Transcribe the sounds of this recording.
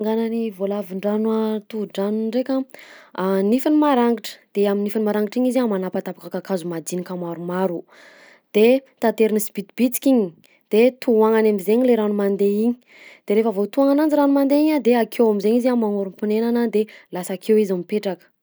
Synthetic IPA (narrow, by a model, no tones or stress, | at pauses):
ŋɡananivolaviɳɖ͡ʐanwat̪uɖ͡ʐaniɳɖ͡ʐekʲaanifinimaɾaŋɡiʈ͡ʂə̥d̪̥eaminifinimaɾaŋɡiʈ͡ʂiɲiziamanapat̪apakakakazumad͡z̪inikamaɾumaɾu | d̪̥e | t̪at̪eɾinisi̥bit̪b̥it͡si̥kiɲi | d̪̥et̪uaŋanamizeɲileɾanumand̪eiɲi̥ | d̪̥eɾefəvot̪uaŋanand͡ʒiɾanumand̪eiɲad̪eakʰewamizeɲizamaŋuɾumpunenanand̪elasakʰewizamipeʈ͡ʂakə̥